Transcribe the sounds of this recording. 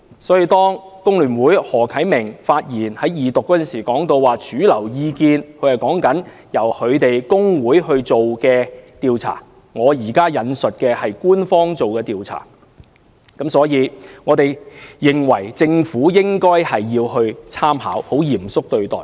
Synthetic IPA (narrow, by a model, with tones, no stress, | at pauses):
sɔː˨˥jiː˨˧t̪ɔː˥ŋ | kʊ˥ŋlyː˨˩nwuː˨˥jhɔː˨˩kʰɐ˨˥jmɪ˨˩ŋfaː˧t̚jiː˨˩nhɐ˨˥jiː˨t̪ʊ˨kːɔː˨˥ɐ˥˨nsiː˨˩kɔː˨˥ŋt̪o˧wwaː˨˩t͡ʃyː˨˥lɐ˨˩wjiː˧kiː˧nkʰɵ˨˧ɥhjkɔː˨˥ŋkɐ˨˥n | jɐ˨˩whʰɵ˨˧ɥt̪e˨jkʊ˥ŋwuː˨˥jɦɵ˧ɥt͡so˨wkɛː˧t̪iː˨wt͡sʰa̰ː˨˩ | ŋɔː˨˧jiː˨˩kaː˥jɐ˨˧nsɵ˨t̚kɛː˧hɐ˨jkuː˥nfɔː˥ŋt͡so˨wkɛː˧t̪iː˨wt͡sʰa̰ː˨˩ | kɐ˨˥msɔː˨˥jiː˨˧ŋɔː˨˧t̪e˨˩jjɪ˨ŋwɐ˨˩jt͡sɪ˧ŋfuː˨˥jɪ˥ŋkɔː˥jhɐ˨jːiː˧whɵ˧ɥt͡sʰaː˥mha̰ː˨˥who˨˥wjiː˨˩msʊ˥k̚t̪ɵ˧ɥt̪ɔ̰ː˨˩j